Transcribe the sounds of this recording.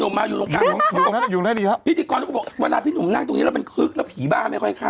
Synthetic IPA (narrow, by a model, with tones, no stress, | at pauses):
nu˨˧˩maː˧juː˨˩lo˧˦ŋkʰaː˧˩˨uː˨˧na˦˥juː˨˩naː˧˥˩diː˧la˦˥pʰi˦˥t̪ʰːiː˧kɔː˧nːʰ˧˥˧bɔ˨˩˨we˧laː˧˩pʰiː˦˥nu˧˩mna˧˥˩ŋt̪o˧ŋi˦˥ɾma˧nkʰɯ˦˥k̚lɛː˦˧˩wpʰiː˨˦baː˧˩maː˧˥˩jkʰɔ˥˩jkʰaː˧˩